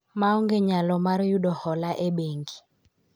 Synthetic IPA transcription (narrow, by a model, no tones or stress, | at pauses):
maɔŋɡeɲalɔmaɾjudɔhɔlaʔeɓeŋɡi